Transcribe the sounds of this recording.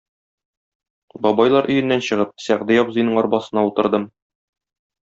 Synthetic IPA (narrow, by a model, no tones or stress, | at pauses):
bɒbɑjlˠɑɾʔɵ̆jɘ̆nːænɕɤ̆ʁɤp̚sæʁd̪æjɒpzɤ̆jnɤɴɒɾbɑsɤ̆nɑut̪ɤ̆ɾd̪ɤm